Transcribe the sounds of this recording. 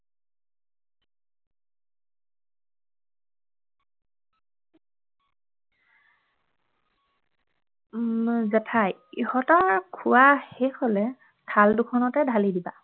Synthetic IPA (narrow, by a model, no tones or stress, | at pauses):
zɛtʰajihɔtaɹkʰʊwaxexolɛ | tʰaldukʰɔnɔtɛdʱalidiba̰